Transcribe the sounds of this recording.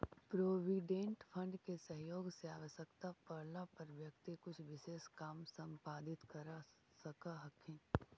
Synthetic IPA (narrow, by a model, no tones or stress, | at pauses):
pɾoːʋiːɖẽːɳʈpʰɐ̃ɳɖkesɐɦjoːɡseaːʋəʃəkt̪apɐɾlapɐɾʋjɐkt̪ikʊt͡ʃʰʋɪʃeːʃkaːmsɐ̃mpaːd̪ɪt̪kɐɾa | sɐkaɦɐkʰẽː